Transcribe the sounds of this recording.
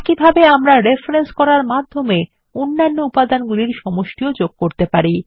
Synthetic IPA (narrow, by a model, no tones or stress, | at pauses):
kibʱabeamɾaɾefɾenskɔɾaɾmad̪ʱːome | onːanːoupad̪anɡuliɾʃɔmoʃʈiod͡ʑoɡ̚koɾt̪epaɾi